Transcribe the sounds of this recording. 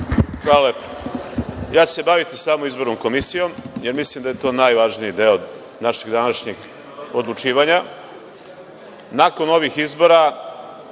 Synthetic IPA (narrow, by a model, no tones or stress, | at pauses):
xɾalep | jaːt͡ɕu̥se̞baʋit̪isaːmomizbo̞ɾnomko̞misijo̞mje̞ɾmislˠimd̪aje̞t̪o̞ːnajʋaʒnijid̪eod̪ | naʃeɡd̪anaʃɲiɡ | od̪lˠut͡ʃiːʋaɲa | nako̞no̞ʋixizbo̞ɾa